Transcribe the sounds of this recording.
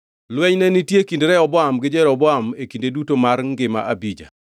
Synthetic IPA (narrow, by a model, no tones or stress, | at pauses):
lwɛɲnɛnitjekindɾɛɔbɔamɡɪd͡ʒɛɾɔbɔamekindedutomarŋɡɪma̰ʔabid͡ʒa̰